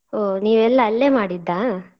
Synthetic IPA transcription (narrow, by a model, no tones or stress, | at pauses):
oːniːʋɛlːɐːlːeːmaːɽid̪ːaː